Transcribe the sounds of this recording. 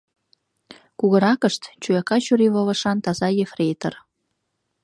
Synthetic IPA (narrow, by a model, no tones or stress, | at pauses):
kuɣəɾɑkəʃt̪t͡ɕujɑkɑt͡ɕuɾiβoβə̆ʃɑnt̪ɑzɑjefret̪ə̰̆r